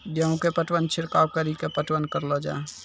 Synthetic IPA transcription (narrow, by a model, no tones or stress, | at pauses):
d̪jəũkepəʈwənt͡ʃʰɪɾkawkəɾikepəʈwənkəɾlɔd͡ʒa̰ː